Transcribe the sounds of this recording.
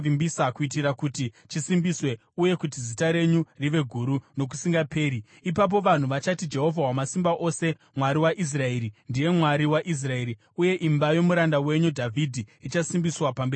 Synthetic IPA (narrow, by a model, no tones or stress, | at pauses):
imbisakuit̬iɾakutit͡ʃisimbiswe̞ | uje̞kut̬izitaɾe̞ɲuriʋe̞ɡʱuɾuno̞k̬u̥siŋɡapʰe̞ːɾi | ipap̬o̞ʋan̤uʋat͡ʃatid͡ʒe̞ɦo̞vʱawamasimbaʔose̞ | mwaɾiwaʔis̬rae̞ɾindije̞mwaɾiwaʔis̬rae̞ɾi | uje̞ʔimbajo̞muɾandawe̞ɲudʱavʱidʱiːt͡ʃasimbiswapambeː